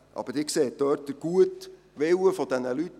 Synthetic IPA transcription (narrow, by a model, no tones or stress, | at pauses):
ʔɑ̰b̥əɾdɪkseːd̥̪œːt̚d̥əɡ̥uət | ʋɪwəfɔd̥̪ɛnəlyt